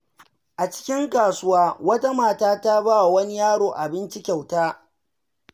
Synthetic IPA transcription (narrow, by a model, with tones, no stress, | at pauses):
ʔa˨t͡ʃɪ̥˦kʲɪ˦ŋkaː˨sʊ˦waː˦wɐ˦ta˦maː˨taː˦ta˦baː˦wa˨wɐ˦ni˦jaː˦ɽoː˨ʔa˨bɪ˦nt͡ʃɪ˦kʲa˨wtaː˦